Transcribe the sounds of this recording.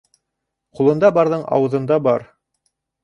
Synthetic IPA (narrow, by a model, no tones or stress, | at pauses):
qulˠɤ̆nd̪ɑbɑɾðɤɴɑ̰wɤ̆ðɤ̆nd̪ɑbɑɾ